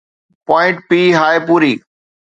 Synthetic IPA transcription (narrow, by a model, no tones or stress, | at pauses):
pɔːɪ̃ɳʈ̚piːɦaːepuːɾiː